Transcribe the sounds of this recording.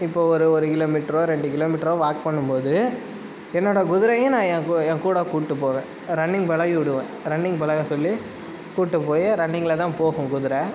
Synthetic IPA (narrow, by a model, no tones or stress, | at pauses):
ɪpːoːɔɾɯɔɾɯkɪloːmiʈːɾõːɾɛɳɖɯkɪloːmɪʈːɾoːʋaːk̚pɐɳːɯmpoːðɯ | ɛnːoːɽɐɡʊðɪɾɐjẽnãːɛ̃ːɛ̃ːkuːɽɐkuːʈːɯpoːʋẽː | ɾɐɳːɪŋɡbɐɭɐjʊɽɯʋẽːɾɐɳːɪŋɡbɐlɐjɐsɔlːi | kuːʈːɯpoːjɐɾɐɳːɪŋɡɐlɐt̪ãːpoːɣɯ̃ɡʊðɪɾɛ